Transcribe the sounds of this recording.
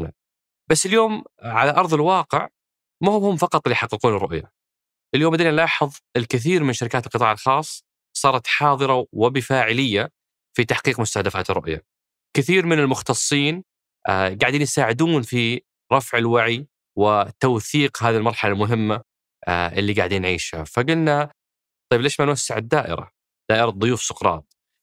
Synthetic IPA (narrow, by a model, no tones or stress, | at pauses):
na̰ | basːɪljoːmʕalaʔɑɾˤðˤɪlwɑːqɪ̰ʕ | mahʊmhʊmfɑqɑt̪ˤʔɪlːijħɑqːɨquːnɪrˤːʊʔja̰ | ʔɪljoːmbad̪iːnanlɑːħɨðˤɪlkɪθiːɾmɪnʃaɾɪkaːt̪ɪlqɨt̪ˤɑːʕɪlxɑːsˤː | sˤɑːɾˤɑt̪ħɑːðˤɨɾˤɑwɪbɪfaːʕɪlɪjːa | fit̪aħqiːqmʊst̪ahd̪afa̰ːt̪ɪrˤːʊ̰ʔja̰ | kɪθiːɾmɪnɪlmʊxt̪ɑsˤːiːn | ʔɡaʕd̪iːnjsaːʕɪd̪uːnfi | ɾˤɑfʕɪlwaʕi | wɪt̪awθiːqɦaːðilmɑɾˤħalalmʊɦɪmːa | ʔʔɪlːiɡaʕd̪iːnʕiːʃha̰faɡʊlna | t̪ˤɑjːbleːʃmanwasːɪʕɪd̪ːaːʔɪ̰ɾa̰ | d̪̥aːʔɪɾɑðˤʊjuːfsʊ̥qɾˤɑ̰ːt̪̚